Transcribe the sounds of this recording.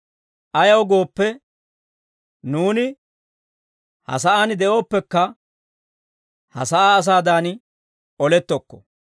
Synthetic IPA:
ʔɐjɐwɡo̞ːpːɛ | nuːnɪ | hɐ̰s̬ɐʔanɪd̪ɛʔo̞ːpːɛkːɐ | hɐ̰sɐaːs̬aːd̪an | ɔlɛt̪ːɔkːɔ̥̰

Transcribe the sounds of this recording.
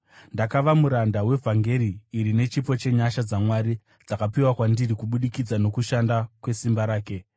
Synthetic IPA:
ndakaʋamuɾandawe̞vʱaŋɡe̞ɾiːɾine̞t͡ʃipo̞t͡ʃe̞ɲaʃad͡zamwaɾi | d͡zakapiwakwandiɾikuɓuɗikid͡zano̞kuʃandakwe̞simbaɾaːke̞

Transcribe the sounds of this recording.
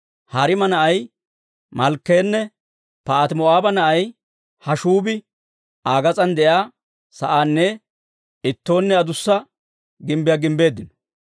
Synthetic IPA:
hɐɾɪmɐnɐʔɐj | mɐlkːeːnːɛ | pɐːt̪mɔaːbɐnɐʔɐj | hɐʃuːbɪ | aːɡɐt͡sʼɐnd̪ɛjaː | sɐʔaːnːɛ | ɪt̪ːo̞ːnːɛɐd̪ʊsːɐ | ɡɪmbɪjaɡɪmbe̞ːd̪ːɪnɔ̥

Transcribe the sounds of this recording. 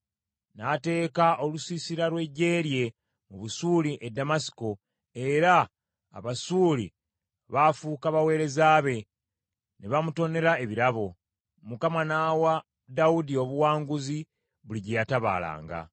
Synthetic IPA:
nate̞ːkaʔo̞lusisiɾaɾwe̞ɟe̞ːɾje̞ | muβusuliʔedːamasi̥ko̞ | e̞ɾa̰ː | βasuːli | βafuːkaβawe̞ːɾe̞zaːβe̞ | neβamuto̞ne̞ɾae̞βiɾaβo̞ | mukamanawa | daudio̞βuwaːŋɡuzi | βuliɟejataβa̰ːla̰ːŋɡa̰

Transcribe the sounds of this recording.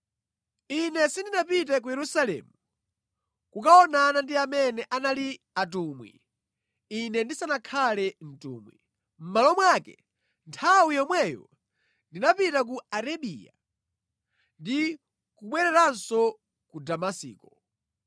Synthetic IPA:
inɛsindinapitɛk̬ujɛɾusalɛ̰ːmu | kukaɔnanandiamɛnɛʔanali | atuːmwḭ | inɛndisanakʰalɛn̩tṵːmwḭ | m̩malɔmwakɛ̰ | ntʰawijɔmwɛjɔ̰ | ndinapitak̬uaɾaɓḭːja | ndi | kuɓwɛɾɛɾansɔ | kudamasḭːkɔ

